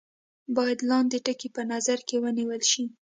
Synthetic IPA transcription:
bɑjad̪lɑnd̪əʈəkipənazaɾkewəniwəlʃi

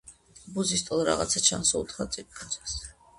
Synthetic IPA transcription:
buzist̪ʼulɾa̰ʁa̰t̪sʰat͡ʃʰansut̪ʰχat̪sʼip̪̚ʼkʰɔsʰḁs

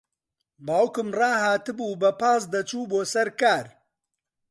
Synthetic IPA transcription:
baːwkɨmrɑːhaːt̪ɨbuːbɐpaːs̬d̪ɐt͡ʃuːboːsɐɾkaːɾ

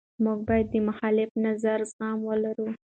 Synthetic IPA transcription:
muɡ̚bɑjad̪ːəmaxɑlɪfnazaɾzɣɑmwəlaɾu

